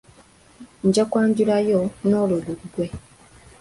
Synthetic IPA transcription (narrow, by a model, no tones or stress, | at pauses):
ɲɟakwaːɲɟulajonoloɡuɡwe̞